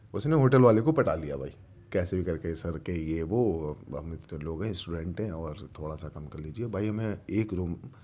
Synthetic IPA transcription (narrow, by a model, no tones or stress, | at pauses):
ʊsneɦoːʈəlʋaːlekopɐʈaːlijabʱa̰ːiː | kɛːsebʱikɐɾkesɐɾkejeʋoːɦɐmɪt̪neloːɡɦɛ̃sʈuɖɛ̃ːɳʈɦɛ̃ɔːɾt̪ʰoːɽasakɐmkɐɾliːd͡ʒiebʱaːiɦɐmẽeːkɾuːm